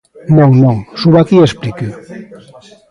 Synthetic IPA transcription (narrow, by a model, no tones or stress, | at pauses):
noŋnoŋsuβakiespliki